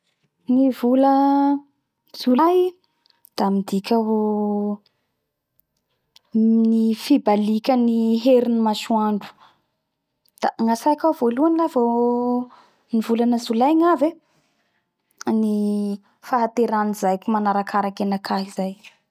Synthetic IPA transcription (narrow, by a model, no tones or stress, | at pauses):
nivulə | z̥ulaɦi | d̪̥amid̪ikʲəɦu | nifibalikʲəniɦeɾinimasuaɳɖ͡ʐu̥ | d̪̥aŋasajkʲavoluanilavo | nivulanəzulajŋave | ni | faɦat̪eɾanizajkʲumanaɾakʰaɾakenakʰaɦizaj